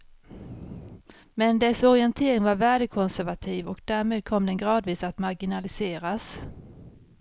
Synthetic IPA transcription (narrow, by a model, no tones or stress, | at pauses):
mɛnd̪ɛsɔɾɪɛnt̪ʰeːɾɪŋvaɾvæːɖəkʰɔnsæɾvat̪ʰiːvɔk̚d̪æːɾmeːd̪̚kʰɔmd̪ɛnɡɾɑːd̪viːsat̪maɾɡɪnalɪseːɾas